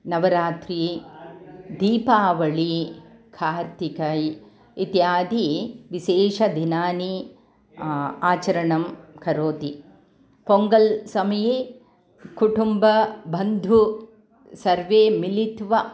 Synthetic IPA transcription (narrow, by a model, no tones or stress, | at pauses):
nɐʋɐɾaːt̪ɾi | d̪iːpaːʋɐɭikʰaːɾt̪ikɐj | it̪jaːd̪ʱiʋiʃeːʃɐd̪ʱinaːni | aːt͡ʃɐɾɐɳɐmkʰɐɾoːt̪i | poŋɡɐlsɐmɐje | kuʈumbɐbɐnd̪ʱu | sɐɾʋeːmilit̪ʋɐ